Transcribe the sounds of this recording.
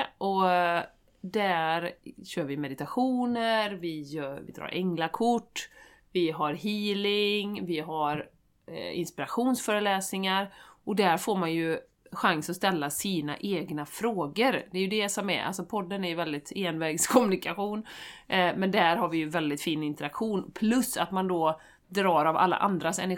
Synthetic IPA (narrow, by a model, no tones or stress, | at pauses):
ʔɔ | d̪æɾɕøːɾvɪmɛd̪ɪt̪aɧuːnəɾvɪjœːɾvɪ̰d̪ɾɑ̰ːɾʔɛŋlakʰʊʈː | vɪɦaɾɦiːlɪŋvɪɦaɾ | ɪ̰nspɪɾaɧuːnsfœːɾəlɛːsnɪŋaɾʔɔd̪æɾfoːɾmanjɵ | ɧaŋsɔst̪ɛlːasiːna̰ʔeːɡnafɾoːɡəɾd̪ɛjɵd̪ɛsɔmɛ̰ʔa̰lsɔpʰɔd̪ːənæɾjvɛld̪ɪt̪eːnvɛːɡskʰɔmɵnɪkaɧuːn | mɛnd̪æɾɦaɾvɪjɵvɛld̪ɪt̪fiːnɪnt̪əɾakɧuːnpʰlɵsːat̪mand̪ɔ | d̪ɾɑːɾava̰lːa̰ʔa̰nd̪ɾasɛ̰næ